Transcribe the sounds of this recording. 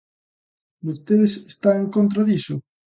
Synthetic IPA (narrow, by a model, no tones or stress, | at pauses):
bost̪eðesest̪aeŋkont̪̬ɾaðisʊ